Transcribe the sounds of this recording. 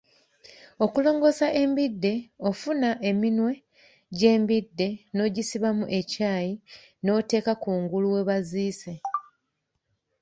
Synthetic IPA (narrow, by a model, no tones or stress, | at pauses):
o̞kulo̞ːŋɡo̞saʔe̞mbidːe̞o̞funaʔe̞minwe̞ | ɟe̞ːmbidːe̞no̞ːɟisiβamuʔe̞caːji | no̞ːte̞ːkakuːŋɡuluwe̞βaziːse̞